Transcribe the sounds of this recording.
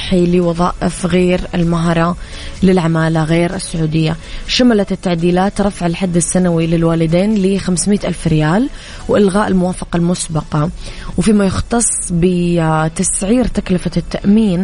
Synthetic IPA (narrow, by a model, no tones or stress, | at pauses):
ħilɪwɑðˤɑ̰ːʔɪfɣeːɾɪlmaɦɾˤɑ | lɪlʕamaːlaɣeːɾɪsːʊʕuːd̪ɪjːaʃamalat̪ɪt̪ːaʕd̪iːlaːt̪ɾˤɑfaʕɪlħad̪ːɪsːanawilɪlwaːlɪd̪eːnlixamsmijːt̪ʔalfɾɪjaːl | wʔɪlɣaːʔɪlmʊwaːfɑqɑlmʊsbɑqɑwfiːmajɪxt̪ɑsˤːbɪt̪asʕiːɾt̪aklɪfat̪ːaʔmiːn